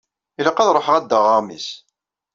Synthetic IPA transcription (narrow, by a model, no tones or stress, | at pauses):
iləqːɑðɾˤoħəʁæd̪ːəʁəʁmḭs